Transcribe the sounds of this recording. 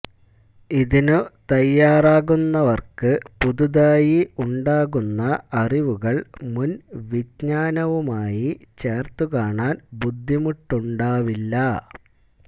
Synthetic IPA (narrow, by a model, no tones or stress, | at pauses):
iðinut̪ɐjːaːraːɣunːɐʋɐrkɨpuðuðaːjiuɳɖaːɣunːɐɐriʋuɣɐɭmunʋidɲaːnɐʋumaːjit͡ɕe̞ːrt̪ukaːɳaːnbud̪ʱːimuʈːuɳɖaːʋilːɐ